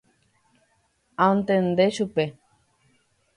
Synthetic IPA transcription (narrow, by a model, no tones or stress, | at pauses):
ãõnt̪end̪eʃupe